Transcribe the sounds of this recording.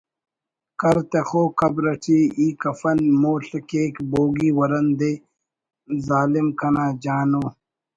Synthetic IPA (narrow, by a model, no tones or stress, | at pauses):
kɐɾt̪exoːkɐbɾɐʈʰiːiːkɐfɐnmoːɬɐkeːkboːɡiːwɐɾɐnd̪eː | zaːlimkʰɐnaːd͡ʑaːnoː